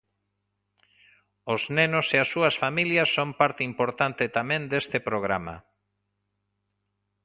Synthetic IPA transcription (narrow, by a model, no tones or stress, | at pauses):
oznenoseasːuɐsfamiljɐsːompaɾt̪eimpoɾt̪ant̪et̪amẽnd̪est̪epɾoɣ̞ɾama̰